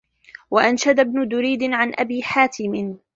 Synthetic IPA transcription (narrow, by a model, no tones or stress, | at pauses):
waʔanʃad̪abnʊd̪ʊɾiːd̪ɪʕanʔa̰biːħaːt̪ɪmɪn